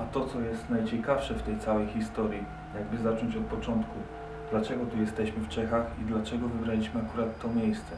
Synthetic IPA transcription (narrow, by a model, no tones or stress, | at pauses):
at̪ɔt̪sɔjɛst̪najt͡ɕɛkafʂɛft̪ɛjt̪sawɛjxʲist̪ɔɾji | jaɡbɘzat͡ʂɔɲt͡ɕɔt̪̚pɔt͡ʂɔnt̪ku | d̪lat͡ʂɛɡɔt̪ujɛst̪ɛɕmɘft͡ʂɛxaxid̪lat͡ʂɛɡɔvɘbɾalʲiɕmɘakuɾat̪ːɔmʲjejst̪sɛ